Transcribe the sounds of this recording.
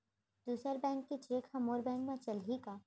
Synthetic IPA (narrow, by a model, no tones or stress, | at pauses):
d̪uːsəɾbɛ̃ːŋkːit͡ʃekʰɐmoːɾbɛ̃ːŋkmẽt͡ʃɐlɦikaː